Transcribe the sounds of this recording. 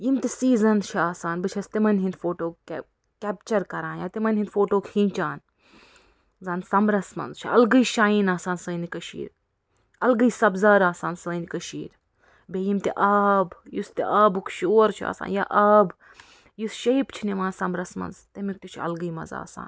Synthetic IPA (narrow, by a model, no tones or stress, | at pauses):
jimt̪isiːzɐnt͡ʃʰiaːsaːnbɨt͡ʃʰɐst̪imɐnʲɦind̪foːʈoːk | kɛːp̚t͡ʃɐɾkɐɾãːnjaːt̪imɐnʲɦind̪foːʈoːkhĩːt͡ʃaːn | zaːnsɐmɾɐsmɐ̰nzt͡ʃʰiɐlɡɨjʃaːjinaːsaːnsɐinikɐʃḭːɾ | ɐlɡɨjsɐbzaːɾaːsaːnsəːnikɐʃḭːɾ | bejimt̪iʔɐbjust̪iʔaːbukʃoːɾt͡ʃʰa̰ːsa̰ːnja̰ːʔɐːb | jusʃɐjpt͡ʃʰiniʋãːnsɐmɾɐsmɐ̰nzt̪ɐmik̚t̪ut͡ʃʰiɐ̰lɡɨjmɐ̰za̰ːsa̰ːn